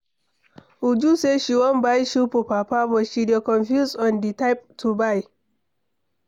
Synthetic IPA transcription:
ʔud͡ʒuseʃiwɔmbajʃupupapabɔʃidekɔnfjusɔnditajp̚tʰubaj

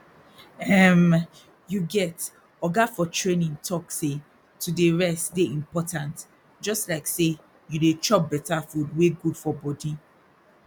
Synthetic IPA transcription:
ɛm | juɡɛt | ɔɡafɔtʰɹẽnĩŋtʰɔkse | tʰudeɹɛstdeĩmpɔtʰãnt | d͡ʒɔstlaɪkse | judet͡ʃɔp̚bɛtafudweɡudfɔbɔdi

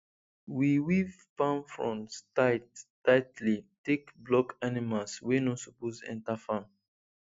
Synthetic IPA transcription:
wiwiv | pãnfɹɔ̃nstat | aɪtlitekblɔkanimalswenɔsuposɛ̰̃ntafãn

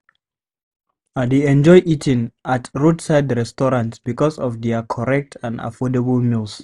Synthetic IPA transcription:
adeɛ̃nd͡ʒɔjʔitʰĩŋatɹudsaɪdɹɛstɔɹãntsbikɔsɔfdɛakʰɔɹɛk̚tʰãna̰fɔdəbəlmilˠs

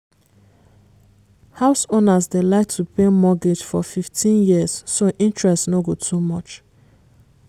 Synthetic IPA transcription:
haʊsonasdelaɪk̚tʰupemɔɡed͡ʒfɔfiftʰĩnjiəssoʔĩnt͡ʃɹɛstnoɡotʰumɔt͡ʃ

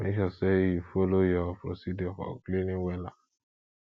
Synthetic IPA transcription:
meʃasejufolojɔpʰɾo̰sidɔfɔ̰klenĩŋwɛla

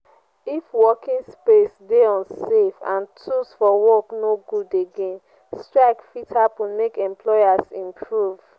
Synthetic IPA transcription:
ifwɔkĩnspesdeɔ̃nsefã̰ntʰusfɔwɔknoɡudeɡẽn | stɹaɪkfitʰapumekɛ̃mplɔasĩmpʰɹuv̥

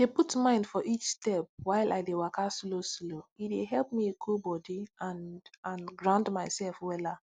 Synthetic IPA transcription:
deputmãɪ̃ndfɔʔit͡ʃstɛp̚waɪla̰ɪdewakaslosloideɦɛlˠp̚miekʰobɔdiãnãnɡɹãndmaɪsɛlfwɛla

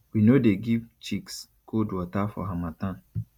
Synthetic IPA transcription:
winodeɡivt͡ʃiks | kʰodwɔtafɔ̰ɦamatãn

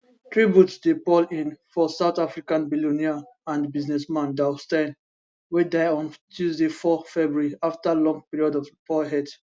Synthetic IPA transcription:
tʰɹibjutdepɔlĩnfɔsaʊt̪afɹikãnbiluniaãndbiznɛsmãndastãn | wedaɪɔ̃ntʰuzdefɔfɛbɹɹiaftəlɔ̃ŋpiɹiɔdɔvfɔɦɛd

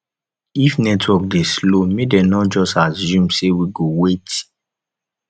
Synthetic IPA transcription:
ifnɛtwɔk̚deslomedɛnɔd͡ʒɔstazũmsewiɡowet

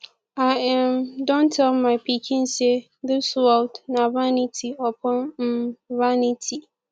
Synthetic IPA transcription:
aɛmdɔ̃ntʰɛlmãɪpʰikʰĩnse | ðɪsuaʊtnavanitʰiɔpʰɔ̃nm̩vanitʰi

